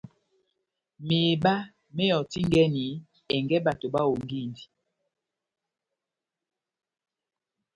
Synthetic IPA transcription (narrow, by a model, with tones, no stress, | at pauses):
me˨ba˦ | me˦ɔ˨ti˦ŋɡɛ˦ni˨ | ɛ˨ŋɡɛ˦ba˨to˨ba˦o˨ŋɡi˦˨ndi˨